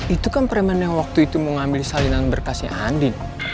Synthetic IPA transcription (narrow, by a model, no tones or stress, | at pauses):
it̪ukanpɾɛmənjaŋwak̚t̪uit̪umoŋambilsalinanbərkasiha̰ndɪn